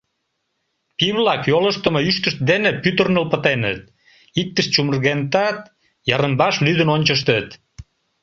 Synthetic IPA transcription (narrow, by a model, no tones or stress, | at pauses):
piβlɑkjoləʃt̪əmoyʃt̪əʃt̪̚d̪enepyt̪ərnəlpə̆t̪enə̰t̪̚ | ik̚t̪əʃt͡ɕumərɣent̪ɑt̪̚ | jɑɾəmbɑʃlyd̪ənonʲt͡ɕəʃt̪ət̪